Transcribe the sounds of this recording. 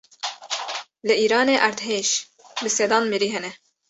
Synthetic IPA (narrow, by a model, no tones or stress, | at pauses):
lɨʔiːɾɑːneːʔæɾd̪ɦeːʃ | bɨseːd̪ɑːnmiɾiːɦɛnɛ